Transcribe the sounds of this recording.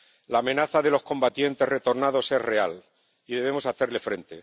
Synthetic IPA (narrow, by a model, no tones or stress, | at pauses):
laːmẽ̞naθaðe̞lo̞skõ̞mbat̪je̞nt̪e̞re̞t̪o̞ɾnaðo̞se̞sre̞al | iðeβe̞mo̞saθe̞ɾle̞fɾe̞nt̪e̞